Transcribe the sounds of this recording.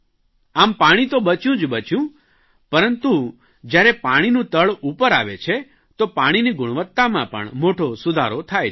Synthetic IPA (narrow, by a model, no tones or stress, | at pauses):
ampaɽ̃it̪obət͡ʃjũd͡ʒbət͡ʃjũ | pəɾənt̪u | d͡ʒjaɾɛpaɽ̃inũt̪əɭupəɾa̰ʋet͡ʃʰe | t̪opaɽ̃iniɡʊɽ̃ʋət̪ːamãpə̰ɳmoʈosʊd̪ʱa̰ɾot̪ʰaj